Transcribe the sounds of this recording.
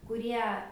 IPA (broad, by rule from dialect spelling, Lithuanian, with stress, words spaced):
kʊˈrʲiɛ